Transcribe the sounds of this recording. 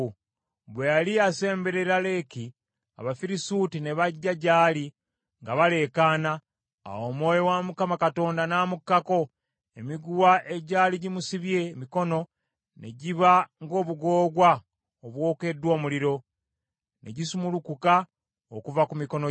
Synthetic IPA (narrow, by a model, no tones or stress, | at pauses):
βwejaliase̞ːmbe̞ɾe̞ɾale̞ki | a̰βafiɾisutine̞βaɟːaɟaːli | ŋɡaβale̞ːkaːna̰ː | wo̞ːmwo̞ːjo̞wamukamakato̞ːndanaːmukːako̞ | emiɡuwaʔe̞ɟaːliɟimusiβje̞miko̞no̞ | ne̞ɟiβaŋɡo̞ːβuɡo̞ːɡwa | oβwo̞ːke̞dwo̞ːmuliɾo̞ | ne̞̰ɟisumulukuka | okuvakumiko̞no